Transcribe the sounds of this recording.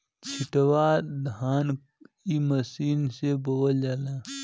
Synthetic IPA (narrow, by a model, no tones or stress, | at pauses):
t͡ʃʰɪʈwad̪ʱaːn | iməsiːnseboːld͡ʒalaː